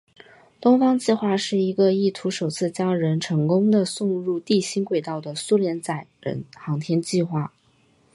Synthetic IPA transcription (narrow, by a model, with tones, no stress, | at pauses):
t̪ʊ˥ŋfɑ˥ŋt͡ɕi˥˧xwa˥˧ʂɻ̩˥˩i˧˥ɡə˧i˥˩t̪ʰu˧˥ʂo˨˩ʊt͡sʰɹ̩˥˩t͡ɕjɑ˥ŋɻə˧˥nʈ͡ʂʰɤ˧˥ŋkʊ˥ŋd̪ə˨sʊ˥˧ŋɻu˥˧t̪i˥˩ɕi˥nkwe˥˩ɪt̪ɑ˥˩ʊd̪ə˩su˥ljɛ˧˥nt͡sa˨˩ɪɻə̰˧˥nxɑ˧˥ŋt̪ʰjɛ˥nt͡ɕi˥˧xwa˥˩